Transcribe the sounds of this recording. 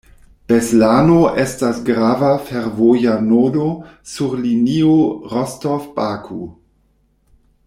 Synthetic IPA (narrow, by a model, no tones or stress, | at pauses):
b̥eslaːnoʔestasɡɾaːvafeɾvojanodosuɾlinioʁɔstofbakʰṵ